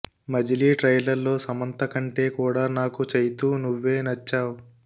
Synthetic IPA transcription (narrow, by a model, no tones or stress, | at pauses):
mɐd͡ʒiliːʈɾɐjlɐɾlo̞ːsɐmɐnt̪ɐkɐɳʈe̞ːkuːɽaːnaːkut͡ʃɐjt̪uːnuʋːe̞ːnɐt͡ʃːaːwu